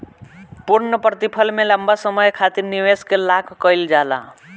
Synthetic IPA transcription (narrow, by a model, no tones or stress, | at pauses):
puɾnəpɾʌt̪ipʰʌlmelambasʌmʌjkʰat̪iɾniweskelakʰkʌjld͡ʒala̰